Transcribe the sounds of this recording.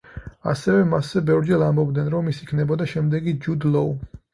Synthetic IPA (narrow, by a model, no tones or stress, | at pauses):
asɛvɛmaszɛbɛvɾd͡ʒɛlˠambɔb̚d̪nɛnɾɔmisikʰnɛbɔd̪aʃɛmd̪ɛɡid͡ʒud̪lɔu